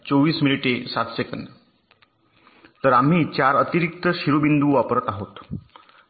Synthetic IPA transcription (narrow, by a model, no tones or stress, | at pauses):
t͡soʋiːsminiʈesat̪sekənd̪ | t̪əɾam̤iːt͡ɕaɾət̪iɾik̚t̪əɕiɾubind̪uːʋapəɾət̪aɦot̪